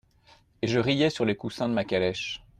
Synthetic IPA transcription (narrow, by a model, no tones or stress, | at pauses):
eʒəʁijɛsyʁlekusɛ̃d̪əmakʲalɛʃ